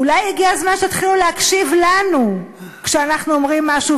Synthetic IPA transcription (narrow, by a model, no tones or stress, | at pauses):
ulajiɡiazmanʃet̪χiluleakʃivlanukʃeanaχnuomʁimːaʃu